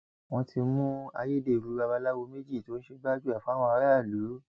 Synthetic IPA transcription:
w̃ɔ̃˧ti˧mũ˦a̰˧je˦de˧˨ɾu˨˦ba˧ba˧la˦wo˧me˦d͡ʒi˦˨to˨˦ʃe˧ɡ͡ba˦d͡ʒu˦a˦˨fũ˨˦a˦w̃ɔ̃˧a˧ɾa˦˨lu˨˦

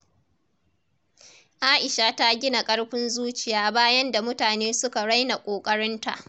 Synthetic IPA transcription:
ʔaː˦ʔɪ˨ʃa˨ta˦ɡʲɪ˦na˨kʼɐ˦ɽɸɪ˦nzuː˦t͡ʃɪ˨jaː˦baː˦jɐ˦nda˨mʊ˦taː˨neː˦sʊ˦ka˨ɽa˦jna˨kʷʼoː˨kʼɐ˦ɽɪ˦nta̰˨ʔ

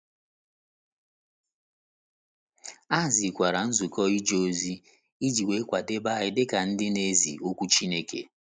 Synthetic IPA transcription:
a˦˨zi˨kʷa˨ɾa˨n̩˦zu˨kɔ˦i˦d͡ʒo˦˨zi˦ | i˦d͡ʒi˨we˨˦kʷa˨de˦ba˦˨ɣɪ˦dɪ˦ka˨n̩˦dɪ˦ne˦zḭ˨o˦kʷu˦t͡ʃi˦ne˦kḛ˨

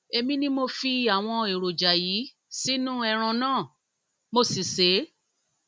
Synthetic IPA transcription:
e˧mĩ˦nĩ˦mo˧fi˧a˨w̃ɔ̃˧e˨ɾo˨d͡ʒa˨ji˨˦ | si˦nũ˦ɛ˧ɾ̃ɔ̃˧nãː˦˨ | mo˧si˨se˨˦

